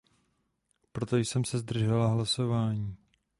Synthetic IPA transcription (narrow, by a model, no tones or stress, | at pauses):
pɾo̞t̪ojsɛmsɛzd̪r̩ʒɛlaɦlaso̞vaːɲiː